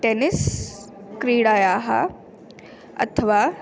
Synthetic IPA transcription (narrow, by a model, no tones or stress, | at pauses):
ʈenɪs | kɾiːɽaːjaːɦa̰ | ɐ̰t̪ʰɐʋaː